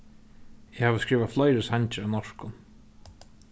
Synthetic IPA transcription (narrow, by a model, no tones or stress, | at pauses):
ɛhaːvəskɾiːvaflɔjɾɪshaɲt͡ʃɪavnɔʂkʊn